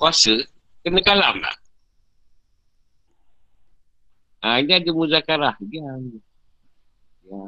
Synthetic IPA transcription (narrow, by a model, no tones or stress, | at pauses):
kɔsɨ | kɨnikala̰mla̰ | anadimuzakaɾaɡian | ja